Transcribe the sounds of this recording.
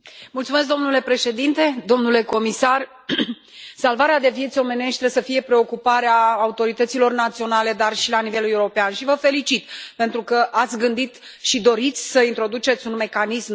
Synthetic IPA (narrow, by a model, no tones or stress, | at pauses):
mult̪sume̞s̬d̪omnule̞pɾe̞ʃe̞d̪int̪e̞d̪o̞mnule̞ko̞misar | salvaɾead̪e̞vijet̪sʲo̞me̞ne̞ʃt̪ɾesəfije̞pɾe̞o̞kupaɾeaːut̪o̞ɾit̪ət̪silo̞rnat̪sio̞nale̞d̪arʃilanive̞leuɾo̞peanʃivəfe̞lit͡ʃit̪pent̪ɾukəʔat̪sʲɡɨnd̪it̪ | ʃid̪o̞ɾit̪sʲsəint̪ɾo̞d̪ut͡ʃe̞t̪sʲunme̞kanism